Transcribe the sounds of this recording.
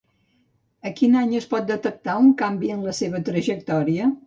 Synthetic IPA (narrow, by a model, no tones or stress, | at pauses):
əkinaɲəspɔt̪̚d̪ət̪ək̚t̪auŋkambiənləseβ̞ət̪ɾəʒək̚t̪ɔɾiə